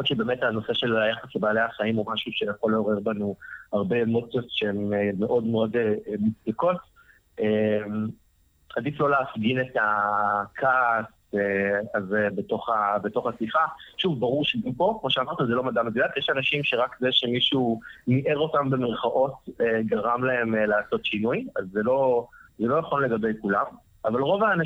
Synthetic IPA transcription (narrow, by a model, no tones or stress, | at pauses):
otʃebe̞ːmetano̞se̞ʃe̞lajaχaslebaːlejaχaimomaʃuʃejaχo̞lːeoʁe̞ʁbanuaʁbe̞mo̞t͡sjotʃeemːeʔo̞dmeo̞demut͡sdako̞t | em | adiflo̞leːfɡinetakʰas | eazebeto̞χabeto̞χasifaʃuvbaʁuʁʃeɡampo̞kmoʃeamaʁt̪azelo̞madamedujatjeʃanaʃimʃeʁakzeʃe̞miʃuniʔeʁo̞tambe̞meʁχaʔo̞t̚eɡaʁamlae̞melaːso̞tʃinujazːelo̞zelo̞naχo̞nle̞ɡabe̞jkulam | avalʁo̞vaːna